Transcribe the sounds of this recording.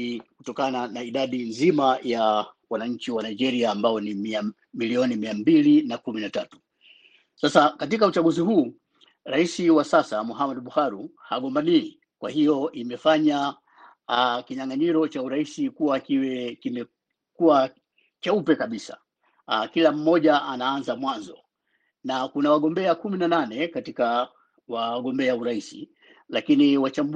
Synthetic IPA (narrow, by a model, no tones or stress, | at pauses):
kutɔkananaiɗaɗinzimaja | wanaɲ̩t͡ʃiwanaid͡ʒɛɾiaːmbaɔnimia | miliɔnimiambilinakuminatatu̥ | sasakatikaut͡ʃaɠuziɦuː | ɾaisiwasasamuɦamaɗɓuhaɾuhaɠɔmbanini | kwa̰hijɔʔimɛfaɲa | kiɲaŋaɲiɾɔt͡ʃauɾaisikuwakiwɛkimɛ | kuwa | t͡ʃaupɛkaɓisa̰ | kilam̩mɔʄaʔanaanzamwanzɔ̰ | nakunawaɠɔmbɛakuminananɛkatika | waɠɔmbɛauɾaisḭ | lakiniwat͡ʃamb